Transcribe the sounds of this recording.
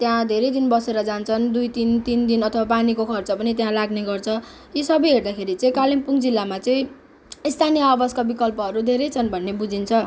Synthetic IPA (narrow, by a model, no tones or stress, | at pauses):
t̪jãd̪ʱeɾʌjd̪inbʌseɾʌd͡zant͡sʰʌnd̪ujt̪int̪ind̪inʌt̪ʰʌbapanikokʰʌrt͡sʌpʌnit̪jãlaɡneɡʌrt͡sʰʌ | jisʌbʌjɦerd̪akʰeɾit͡sʌ̃ĩkalimpuŋd͡zilːamat͡sʌĩ | ist̪ʰanijʌːbʌskabikʌlpʌɦʌɾud̪ʱeɾʌjt͡sʰʌnbʱʌnːebud͡zint͡sʰʌ